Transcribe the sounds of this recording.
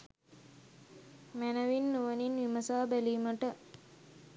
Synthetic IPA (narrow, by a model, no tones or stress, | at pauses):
mænəʋinːuʋəninʋiməsaːbæliːməʈə